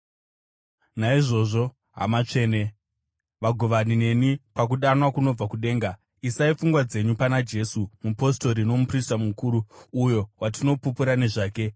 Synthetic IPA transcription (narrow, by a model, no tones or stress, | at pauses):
naiʐo̞ːʐo̞ | ɦa̰mat͡ʂe̞ːne̞ | ʋaɡʱoʋanine̞nipakuɗanwakuno̞b͡vakuɗe̞ːŋɡa | isaifuŋɡwad͡ze̞ɲupanad͡ʒe̞sumupo̞sto̞ɾino̞mupristamukuːɾuːjo̞watino̞pupuɾane̞ʐaːke̞